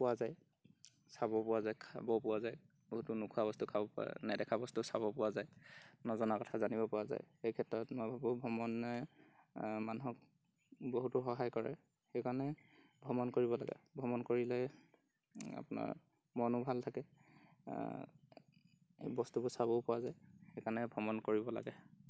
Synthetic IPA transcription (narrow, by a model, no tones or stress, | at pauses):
pʊwazaj | sabɔpʊwazajkʰa̰bɔpʊwazaj | boɦutʊnukʰuabɔstukʰabɔpnɛdɛkʰabɔstusabɔpʊwazajnɔzɔnakɔtʰazanibɔpɔwaza̰jxejkʰɛtɹɔtmɔjbʱabɔbʱɔmɔnːɛ | manuɦɔk̚ | boɦutuxɔɦajkɔɹɛ̰ | xejkanɛ | bʱɔmɔnkoɹibɔlaɡɛ̰bʱɔmɔnkoɹilɛ | a̰pʊna̰ɹ | mɔnʊbʱaltʰakɛ | bɔstubʊsaβɔʊpʊwazajxekanɛbʱɔmɔnkoɹibɔla̰ɡɛ